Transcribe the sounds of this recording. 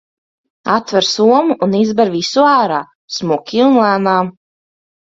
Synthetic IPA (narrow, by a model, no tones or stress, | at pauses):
at̪ːvɛɾsuɔmuʔːnizbɛɾvisuaːɾaː | smuɔkʲilˠnlˠæːnaː